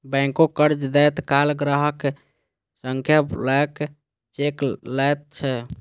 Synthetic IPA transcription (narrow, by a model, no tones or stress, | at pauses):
bɛ̃ŋkokəɾd͡ʒd̪ɛt̪kalɡɾəɦək | səŋkʰjəblək | t͡ʃeklət̪̚t͡ʃʰɛ